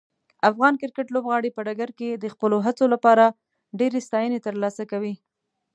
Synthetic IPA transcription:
afɣɑnkɪɾkəʈlobɣɑɽepəɖaɡaɾked̪əxpəloɦat͡solapɑɾa | ɖeɾest̪ɑjənet̪əɾlɑsakawi

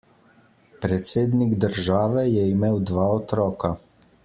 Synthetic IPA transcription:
pɾɛt̪seːd̪niɡd̪əɾʒaːʋɛjɛimeːwd̪ʋaːɔt̪ɾɔːka

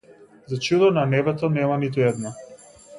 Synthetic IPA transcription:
zat͡ʃud̪ɔnanɛbɛt̪ɔnɛmanit̪uɛd̪na

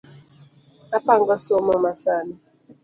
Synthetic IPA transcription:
apaŋɡasɔmɔmasani

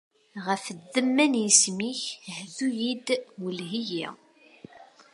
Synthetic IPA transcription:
ʁəfðəmːænjismiçhðujid̪wəlɦijḭ

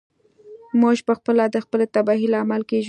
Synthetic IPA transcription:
moʒpəxpəlad̪əxpəlet̪abɑɦilaːmalkeʒ

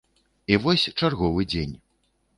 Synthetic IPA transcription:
ivɔsʲt͡ʂarɣɔvɨd͡zʲenʲ

